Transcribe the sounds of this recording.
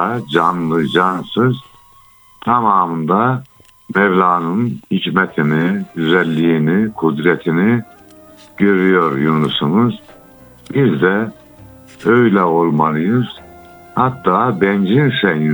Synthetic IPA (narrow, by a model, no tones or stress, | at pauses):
ad͡ʒanlˠɯd͡ʒansɯz̥ | t̪ʰamaːmɯnd̪a | mɛvlʲaːnɯnhicmɛt̪ʰiniɟyzɛlʲːiːnikʰud̪ɾɛt̪ʰini | ɟ̥øɾyjo̞ɾjonusunuz | bizd̪ɛ | øjlʲɛo̞lˠmalˠɯjɯz̥ | hat̪ːaːbɛnd͡ʒinsɛji